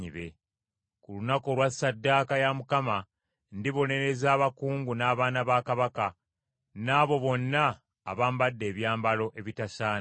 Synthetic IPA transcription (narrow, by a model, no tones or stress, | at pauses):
iβe̞ | kulunako̞lwasːadːaːkajamukama | ndiβo̞ne̞ɾe̞zaːβakuːŋɡunaːβaːnaβaːkaβaka | naːβo̞βo̞nːa̰ː | βaːmbadːe̞ːβjaːmbalo̞ʔe̞βitasaːn